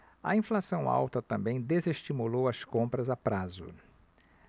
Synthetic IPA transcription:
ɐ̰ĩflasɐ̃w̃a̰wt̪ɐt̪ɐ̃mbẽj̃d̪ezeʃt͡ʃimulowɐskõmpɾɐzapɾazʊ̰

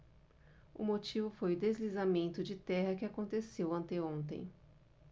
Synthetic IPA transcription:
ʊ̰mot͡ʃivʊfojʊd̪ezlizamẽnt̪ʊd͡ʒɪt̪ɛɦɐkɪakõnt̪esewɐ̃nt̪eõnt̪ḛ̃j̃

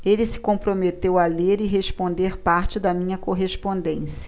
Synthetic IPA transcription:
elɪsɪ̥kõpɾomet̪ewaleɾɪɦeʃpõnd̪eɾpaɾt͡ʃɪd̪ɐmĩɲɐkoɦespõnd̪ẽsiɐ

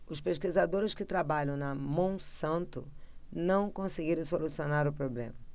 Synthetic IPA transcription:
ʊspeʃkizad̪oɾɪskɪt̪ɾabaʎɐ̃w̃nɐmɐ̃w̃sɐ̃nt̪ʊnɐ̃w̃kõsɪɡiɾɐ̃w̃solusionaɾʊpɾoblḛ̃mɐ

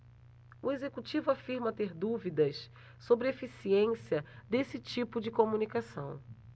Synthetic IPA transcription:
uezekut͡ʃivʊafiɾmɐt̪eɾd̪uvid̪ɐs | sobɾɪefisiẽsiɐd̪esɪt͡ʃipʊd͡ʒɪkomũnikasɐ̰̃w̃

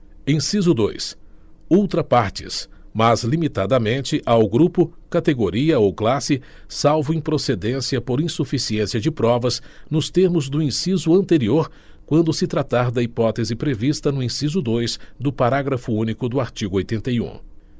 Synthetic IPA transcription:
ẽsizʊd̪ojsuwt̪ɾɐpaɾt͡ʃɪ̰s | mɐzlimit̪ad̪ɐmẽnt͡ʃɪʔawɡɾupʊkat̪eɡoɾiɐowklasɪ | sawvʊẽj̃pɾosed̪ẽsiɐpoɾĩsufisiẽsiɐd͡ʒɪpɾɔvɐznʊst̪eɾmʊzd̪ʊĩsizʊɐ̃nt̪eɾioɾ | kwɐ̃nd̪ʊsɪt̪ɾat̪aɾd̪ɐipɔt̪ezɪpɾevist̪ɐnʊĩsizʊd̪ojsd̪ʊpaɾaɡɾɐfʊũnikʊd̪ʊaɾt͡ʃiɡʊojt̪ẽnt̪ejṵ̃

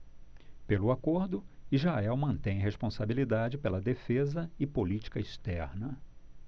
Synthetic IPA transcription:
pelʊakoɾd̪ʊiʒaɛwmɐ̃nt̪ẽj̃ɦespõsabilid̪ad͡ʒɪpelɐd̪efezɐɪpolit͡ʃi̥kɐist̪ɛɾnɐ

